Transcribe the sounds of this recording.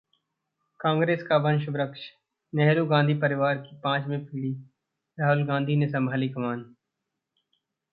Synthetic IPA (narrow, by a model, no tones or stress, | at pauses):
kãːŋɡɾeːskaʋə̃nʃbɾəkʃ | nɛɦɾuɡãːnd̪ʱipəɾɪʋaːɾkipãːt͡ʃmẽpʰɪːli | ɾaːɦʊlɡãːnd̪ʱines̬ə̃mbʱaːlikəmaːn